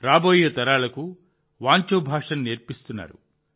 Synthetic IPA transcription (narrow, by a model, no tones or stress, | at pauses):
ɾaːboːjɐt̪ɐɾaːlɐku | ʋaːɲt͡ʃoːbʱaːʂɐnneːɾpist̪unːa̰ːɾṵ